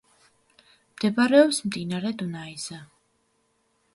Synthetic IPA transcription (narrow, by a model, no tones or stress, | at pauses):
md̪̥ɛbaɾɛɔpsmd̪inaɾɛd̪unaiza